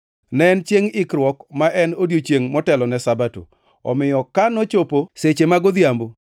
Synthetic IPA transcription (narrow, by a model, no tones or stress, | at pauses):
nɛnt͡ʃjeŋɪkɾwɔkmaʔɛnodjot͡ʃeŋmɔtɛlɔnɛsabato̰ | ɔ̰mɪjɔkanɔt͡ʃoposet͡ʃemaɡod̪jambo